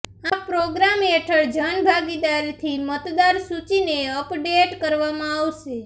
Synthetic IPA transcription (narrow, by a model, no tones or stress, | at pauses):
apɾoɡɾameʈʰəɽd͡ʒənbʱaɡid̪aɾt̪ʰimət̪d̪aɾsut͡ʃineəpɖeʈkəɾʋamãaʋʃe